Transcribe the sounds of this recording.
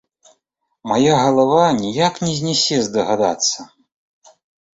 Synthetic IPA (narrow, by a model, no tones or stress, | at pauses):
majaɣɐlˠavanʲijaknʲɛzʲnʲɛsʲɛzd̪ɐɣad̪a̰t̪sːɐ